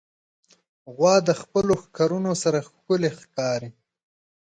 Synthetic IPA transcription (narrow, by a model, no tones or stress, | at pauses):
ɣwɑːd̪əxpəloxkaɾunosaɾaxkʊlexkɑːɾi